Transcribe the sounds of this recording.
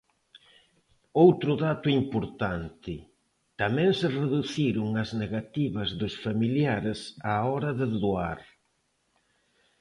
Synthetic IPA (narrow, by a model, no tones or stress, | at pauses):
owt̪ɾʊðat̪ʊimpoɾt̪ant̪ɪ | t̪amɛ̃ŋsɪreðuθiɾʊŋɐzneɣat̪iβɐzðʊsfamiljaɾɪsaɔɾɐðɪðoaɾ